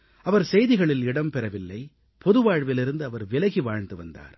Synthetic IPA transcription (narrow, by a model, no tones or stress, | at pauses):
ɐʋɐɾsɛjðɪɣɐɭɪlɪɽɐmpɛɾɐʋɪlːɐɪ | pɔðɯʋaːɻʋɪlɪɾɯnd̪ɯɐʋɐɾʋɪlɐɣiʋaːɻnd̪ɯʋɐnd̪a̰ːɾ